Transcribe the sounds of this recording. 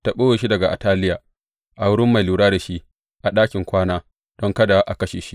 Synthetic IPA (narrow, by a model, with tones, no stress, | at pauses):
ta˦ɓoː˦weː˨ʃi˦dɐ˨ɡa˨ʔa̰˨taː˦lɪ˦jaː˨ | ʔa˨wʊ˦ɽɪ˦mːa˨jluː˨ɽaː˦da˨ʃi˦ | ʔa˨ɗaː˦kʲɪ˨ŋkʷaː˦naː˦ | d̥ɔ˦ŋkɐ˦da˨ʔa˨kɐ˦ʃeː˨ʃi˦ʔ